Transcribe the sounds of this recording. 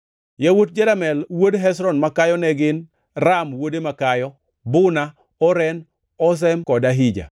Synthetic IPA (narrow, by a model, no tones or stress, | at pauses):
jawot̚d͡ʒɛlamɛlwodɦɛs̬ɾɔnmakajɔnɛɡɪn | ramwodemakajɔ | bʊna | ɔɾɛn | ɔs̬ɛmkɔdaɦid͡ʒa̰